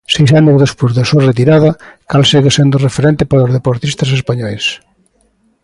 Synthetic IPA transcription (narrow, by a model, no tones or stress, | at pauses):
sejsanozðespozðasuɐret̪iɾaðɐkalsiɣesend̪ʊrefeɾent̪ɪpaɾozðepoɾt̪ist̪ɐsespaɲɔjs